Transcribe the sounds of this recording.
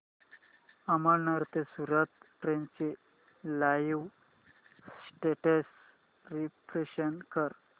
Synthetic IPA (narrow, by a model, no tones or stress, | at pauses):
əməɾnəɾt̪esuɾət̪ʈɾent͡se | lajiw | sʈeʈəs | ɾipɾeɕənkəɾ